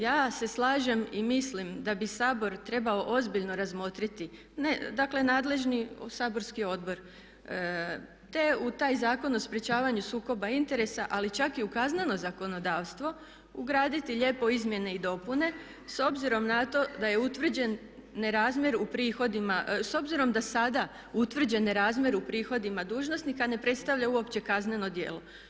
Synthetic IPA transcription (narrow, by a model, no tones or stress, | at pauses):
jaːse̞slˠaːʒemimislimd̪abisaːbo̞ɾt̪ɾe̞baoʔozbiʎno̞ɾazmo̞t̪ɾit̪i | ned̪akle̞naːd̪le̞ʒnisaːbo̞ɾskio̞d̪bo̞ɾ | t̪e̞ut̪aːjzaːko̞no̞spɾjet͡ɕaːʋaɲusuːko̞baint̪e̞ɾe̞saʔalit͡ʃakiukaznano̞zako̞no̞d̪aːʋst̪ʋo̞ | uɡɾaːd̪it̪iʎe̞po̞izmje̞ne̞id̪o̞pune̞ | so̞bziɾo̞mnat̪o̞d̪aje̞ut̪ʋr̩d͡ʑen | neɾaːzmʲje̞ɾupɾiːxo̞d̪imaso̞bziɾo̞md̪asad̪a | ut̪ʋr̩d͡ʑe̞neɾaːzmje̞ɾupɾiːxo̞d̪imad̪uːʒno̞snikane̞pɾe̞t̪st̪aʋʎauo̞pt͡ɕe̞kazne̞no̞d̪je̞ːlo̞